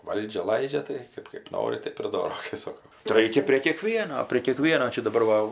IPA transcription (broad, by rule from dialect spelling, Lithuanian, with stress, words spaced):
ˈʋɐlʲd͡ʒʲɛ ˈlˠɐɪd͡ʒʲɛ tɐɪ ˈkɜp kɜp ˈnoːrʲɪ ˈtɜp ɪr ˈdoːroː kɐɪ ˈsoːkoː tɐɪ ˈrɐɪkʲɛ pʲrʲeː kʲiɛˈkʋʲiɛnoː pʲrʲiɛ kʲiɛˈkʋʲiɛnoː ˈt͡ʃʲɛ dɐˈbɐr ʋɐ